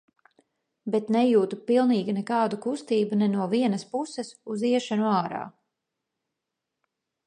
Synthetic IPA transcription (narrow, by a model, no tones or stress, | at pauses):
bɛt̪nɛjuːt̪upilˠniːɡʲinɛkɑːd̪ukust̪iːbunɛnuɔviɛnɐspusɛsuziɛʃanuaːɾa̰ː